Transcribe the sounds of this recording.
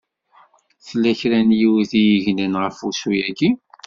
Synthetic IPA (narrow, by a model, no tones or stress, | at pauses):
θlːæçɾænjiwθijiʝnənʁəfusujæɡi